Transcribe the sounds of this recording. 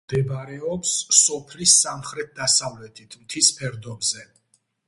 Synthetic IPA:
d̪̥ɛbaɾɛɔpsːɔpʰlisamχɾɛt̪̚d̪asavlɛt̪ʰit̪ʰmt̪ʰispʰɛɾd̪ɔbzɛ

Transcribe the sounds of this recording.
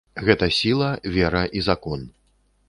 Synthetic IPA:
ɣɛt̪ɐsʲilˠɐvʲɛɾɐʔizakɔn

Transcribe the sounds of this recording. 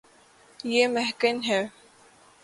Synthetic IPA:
jeːmɛɦkənɦɛː

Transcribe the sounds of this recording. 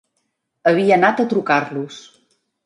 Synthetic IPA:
əβ̞iəːnat̪ət̪ɾukarlus

